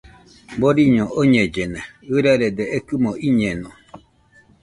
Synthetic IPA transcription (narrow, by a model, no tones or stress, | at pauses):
boɾiɲõʔoɲẽd͡ʒeneɨɾaɾed̪eʔekɨmoʔiɲẽnõ